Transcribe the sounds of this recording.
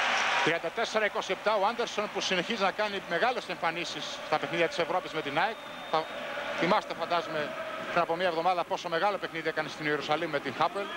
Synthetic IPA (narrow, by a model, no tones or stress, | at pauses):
t̪ɾiɐnd̪ɐt̪e̞se̞ɾɐiko̞siep̚t̪ɐoɐnd̪e̞ɾso̞npusine̞çiznɐkɐnime̞ɣɐle̞se̞ɱfɐnisisːt̪ɐpe̞xniðjɐt̪ise̞vɾo̞pizme̞t̪inɐek | θɐθimɐset̪efɐnd̪ɐzmepɾinɐpo̞miɐevðo̞mɐðɐpo̞so̞me̞ɣɐlo̞pe̞xniðiekɐnest̪inieɾusɐlimumet̪iŋxɐpel